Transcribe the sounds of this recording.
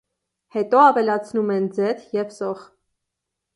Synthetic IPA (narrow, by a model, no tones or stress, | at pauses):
hɛt̪ɔɑvɛlɑt͡sʰnumɛnd͡zɛt̪ʰjɛvsɔʁ